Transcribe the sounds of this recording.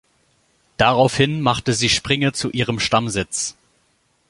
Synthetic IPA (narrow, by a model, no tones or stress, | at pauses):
d̥aʁaʊfhɪnmaχtəziːʃpʁ̥ɪŋət͡suʔiːʁ̞əmʃtamzɪt͡s